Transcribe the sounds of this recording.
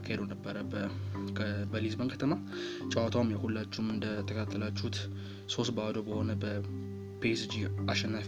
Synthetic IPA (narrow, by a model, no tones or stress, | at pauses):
kʰːahed̪əwnəbːəɾəbʰ | bəlizbənkʰət̪ʰənat͡ʃʼawat̪ʰawumjɛhulːat͡ʃːuumɨnd̪ət̪ʰəkət̪ʰat̪ːəlat͡ʃːut̪ | so̞st̪bəad̪obəho̞nəbə | pʰesd͡ʒiaʃɛnːaf